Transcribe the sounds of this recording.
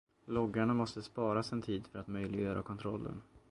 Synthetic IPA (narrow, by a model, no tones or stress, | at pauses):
lɔɡːaɳamɔst̪əspɑːɾasɛnt̪ʰiːd̪fœɾat̪mœjlɪɡjœːɾʔa̰kʰɔnt̪ʰɾɔlːə̰n